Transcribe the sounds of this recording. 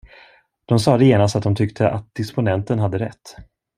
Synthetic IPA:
d̪̥ɔmsɑːd̪ɛjeːnast̪at̪d̪ɔmt̪ʰʏkt̪ʰəʔat̪̚d̪̥ɪspʊnɛnt̪ənɦad̪ːəɾɛt̪ː

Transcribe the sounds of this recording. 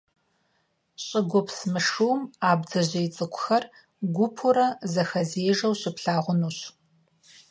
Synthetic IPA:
ɕʼɪɡʷʊpʰsmɨʂuwmaːbd͡zɐʑɐjɪt͡sʼɨkʷʰʼʊxɐr | ɡʷʊpʰʊɾɐzɐxɐzeːʒɐwɕɪpɬaːʁʷʊnuːɕ

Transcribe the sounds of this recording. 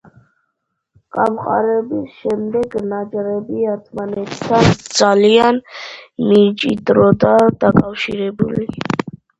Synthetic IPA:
kʼamqʼa̰ɾɛbisʃɛmd̪ɛɡnad͡ʒʼɾɛbiaɾt̪ʰmanɛt̪ʰːand̪z̥alianmit͡ʃʼid̪ɾɔd̪ad̪̥akʼafʃiɾɛbṵli

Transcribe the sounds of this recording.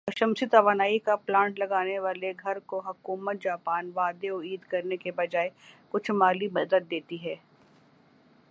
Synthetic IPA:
pɐʃəmsɪt̪ɐʋaːnaːikaplãːɳʈlɐɡaːneʋaːleɡʱɐɾkoɦɐkuːmət̪̚d͡ʒaːpaːnʋaːd̪eɔiːd̪kɐɾnekebɐd͡ʒaːekʊt͡ʃʰmaːlimɐd̪ət̪̚d̪eːt̪iɦɛː

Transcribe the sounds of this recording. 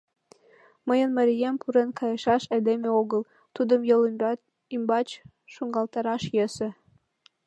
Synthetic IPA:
məjənmɑɾʲijempʰuɾenkɑjɤʃɑʃed̪emeoɣəl | t̪ud̪əmjəl | imbɑt͡ɕ | ʃuŋɡɑlt̪ɑɾɑʃjesĕ

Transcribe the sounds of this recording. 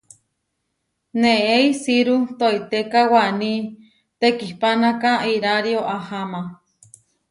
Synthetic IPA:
neeisiɾut̪oit̪ekawani | t̪ekihpanakaiɾaɾioʔahama

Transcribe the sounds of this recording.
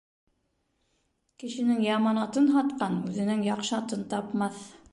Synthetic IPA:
kɘ̆ʃɘ̆nɘŋjɑmɑnɑt̪ɤnɦɑt̪qɑnʉðɘ̆nɘŋjɑqʃɤɑt̪ɤnt̪ɑpmɑθ

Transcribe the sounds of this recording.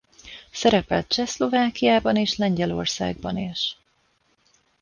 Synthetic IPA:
sɛɾɛpɛlt̪̚t͡ʃɛslo̞vaːkijaːbɒneːʃlɛɲɟɛlo̞̰rsa̰ːɡ̚bɒneːʃ

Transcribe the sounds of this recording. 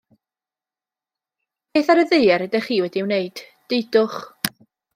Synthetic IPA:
peːθaɾəðɨːaɾɛdɛχiːwɛdiːwneɨd̥d̥ejdʊχ

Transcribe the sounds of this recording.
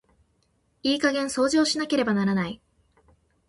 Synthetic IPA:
iːkaɡẽ̞ɰ̃so̞ːd͡ʑo̞ːɕinake̞ɾe̞banaɾanai

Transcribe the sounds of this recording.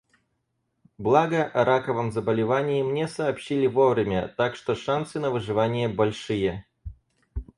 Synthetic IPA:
blˠaɡəʔɐɾakəvəmzəbəlʲɪvanʲɪɪmnʲesɐːpɕːilʲɪvo̞vɾʲɪmʲə̰t̪akʂt̪oʂansɨnəvɨʐɨvanʲɪjəbɐlʲʂɨjə

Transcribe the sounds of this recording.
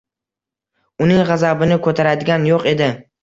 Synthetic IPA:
ʊnɪŋʁɑzabɪnɪkʰɵt̪ʰaɾad̪ɪɡʲanjoqe̞d̪ɪ

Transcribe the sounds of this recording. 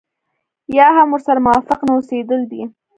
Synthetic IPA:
jɑɦamwʊɾsaɾamʊwɑfɪqnaosed̪əld̪i

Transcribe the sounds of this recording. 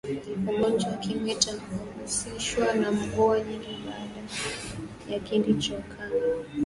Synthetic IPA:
ɔɡɔnd͡ʒawakimwɛtamɔmbusiʃwanam̩kɔaɲiŋɡiɓaːɗa | jakildit͡ʃɔkʰa

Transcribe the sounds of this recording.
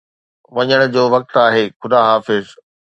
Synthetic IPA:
ʋɐɲəɽ̃ʊ̆d͡ʑoːʋɐk̚t̪aːɦeːxʊd̪aːɦaːfɪz

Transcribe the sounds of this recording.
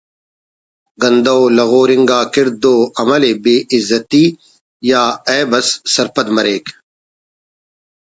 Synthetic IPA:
ɡɐ̃nd̪ɐolɐɣoːɾɪŋɡaːkɪɾd̪oːɐmɐlebeːɪzːɐt̪iː | jaːɛːbɐsːɐɾpɐd̪mɐɾeːk

